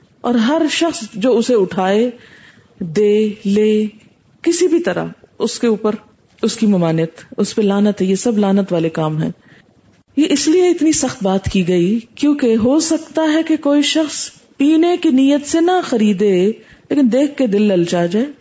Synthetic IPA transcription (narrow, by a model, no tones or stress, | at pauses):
ɔ̰ːɾɦɐɾʃɐxsd͡ʒoːʊseʊʈʰaːe | d̪eːleː | kɪsibʱit̪ɐɾa̰ʊskeuːpəɾ | ʊskimɐmaːnijət̪ʊspelaːnət̪ɦɛ̃jesɐblaːnət̪ʋaːlekaːmɦɛ̰̃ː | jeʔɪslieɪt̪nisɐxt̪baːt̪kiɡɐikjõːkeɦosɐkt̪aɦɛkekoːiʃɐxs | piːnekiniːjət̪senɐxɐɾiːd̪eleːkɪnd̪eːkʰkːed̪ɪlːɐlt͡ʃaːd͡ʒaeː